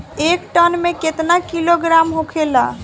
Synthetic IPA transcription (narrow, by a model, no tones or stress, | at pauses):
ekʈənmeket̪nakiloɡɾamɦokʰela